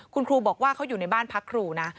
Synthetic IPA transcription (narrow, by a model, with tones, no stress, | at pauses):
kʰu˧nkʰɾuː˧bɔː˨˩k̚waː˥˩kʰa˦˥wjuː˨˩na˧jbaː˥˩npʰa˦˥kʰːɾuː˧na˦˥